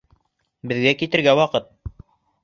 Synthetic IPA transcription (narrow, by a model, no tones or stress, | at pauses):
bɘ̆ðɡækit̪ɘ̆ɾɡæwɑqɤt̪̚